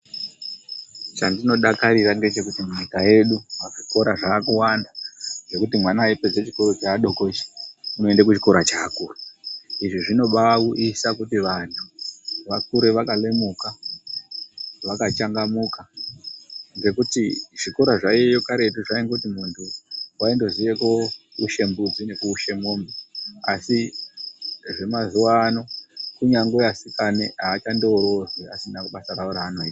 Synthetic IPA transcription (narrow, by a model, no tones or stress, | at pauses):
t͡ʃandino̞ɗakaɾiraŋɡe̞t͡ʃe̞kutimuɲikaje̞ɗumaʐiko̞ɾaʐaːkuwandaʐe̞kutimwanaiped͡zet͡ʃi̥koɾot͡ʃaːɗo̞ko̞t͡ʃi̥uno̞e̞ndakut͡ʃi̥ko̞ɾat͡ʃaːkuːraiʐiʐino̞ɓawuʔisakutiʋantʰuʋak̚uɾe̞ʋakalemuka | ʋakat͡ʃaŋɡamuka | ŋɡe̞kutiʐikoɾaʐaiejo̞kaɾe̞tuʐaiŋɡoutimuntʰuwaindo̞ziʋe̞kouʃe̞mbud͡zine̞kuuʃe̞moːmbeasi | ʐe̞mazuwano̞kuɲaŋɡo̞jasikaneɦaːt͡ʃandoːɾozweasinauɓasaɾauɾaːno̞ia